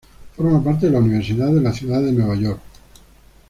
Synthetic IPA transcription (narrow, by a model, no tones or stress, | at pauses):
fo̞ɾmapaɾt̪̬eðelauniβ̞eɾsiðaðelaθjuðaðenwe̞β̞aʝoɾk